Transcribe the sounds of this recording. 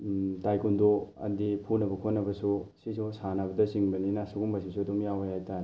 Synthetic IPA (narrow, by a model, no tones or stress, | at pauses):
tajkundoɐ̰dipʰunɐbɐkʰonːɐbɐsusisusanabɐdɐsiŋbɐninasuɡumbɐsisuɐdumjawajhajtaɾi